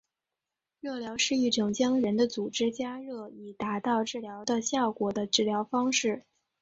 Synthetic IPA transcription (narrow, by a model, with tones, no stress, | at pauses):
ɻɤ˥˩ljɑ˧˥ʊʂɻ̩˥˧i˥˩ʈ͡ʂʊ˨˩ŋt͡ɕjɑ˥ŋɻə˧˥nd̪ə˧t͡su˨˩ʈ͡ʂɻ̩˥t͡ɕja˥ɻɤ˥˩i˨˩t̪a˧˥t̪ɑ˥˧ʊʈ͡ʂɻ̩˥˩ljɑ˧˥ʊd̪ə˧ɕjɑ˥˩ʊkwɔ˨˩d̪ə˦ʈ͡ʂɻ̩˥˩ljɑ˧˥ʊfɑ˥ŋʂɻ̩˥˩